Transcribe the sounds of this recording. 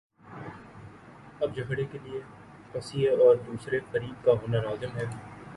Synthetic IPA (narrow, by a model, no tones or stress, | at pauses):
ɐbd͡ʒɐkʰɽekelie | pɐsijeɔːɾd̪uːsɾefəɾiːb̚kaɦoːnaɾaːzɪmɦɛː